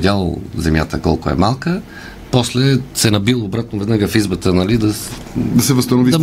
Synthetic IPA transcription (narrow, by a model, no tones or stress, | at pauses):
dʲalˠo̰zɛmʲjat̪əkɔlˠkʊɛ̰malˠkə | pɔslɛsɛnɐbilˠːbɾat̪̚novɛd̪naɡəfizbət̪ənɐlid̪ɐ | d̪ɐsɛvəst̪ɐnovid̪ɐ